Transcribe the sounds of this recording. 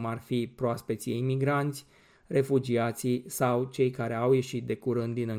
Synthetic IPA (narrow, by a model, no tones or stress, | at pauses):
marfipɾoaspe̞t̪sʲimiɡɾant̪sʲ | re̞fud͡ʒiat̪sisawt͡ʃe̞jkaɾe̞awje̞ʃit̪̚d̪e̞kuɾɨnd̪̚d̪inɨ